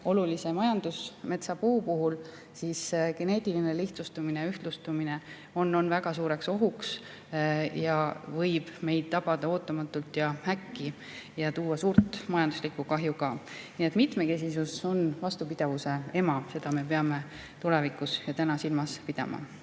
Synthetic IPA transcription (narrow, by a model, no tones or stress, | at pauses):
o̞lulise̞mɑjɑnd̪̥usme̞t̪sɑpuːpuɦul | siːsɡ̥e̞ne̞ːt̪ʲˑilineliht̪sust̪umineyht̪lust̪umine̞ | o̞nːo̞nvæɡ̥ɑsuːɾe̞kso̞ɦuks | jɑvɤjb̥me̞jd̪̥̚t̪ɑb̥ɑd̪̥ɑoːt̪ːˑɑmɑt̪ːˑult̪jɑhækːi | jɑt̪uːɑsuːɾt̪ˑmɑjɑnd̪̥uslikːukɑɦjukɑːniet̪ːˑmit̪me̞ke̞s̬isuso̞nvɑst̪upid̪̥evuse̞e̞mɑse̞d̪̥ɑme̞pe̞ɑme̞ | t̪ule̞vikˑusjɑt̪ænɑsilmɑspid̪̥ɑ̰mɑ̰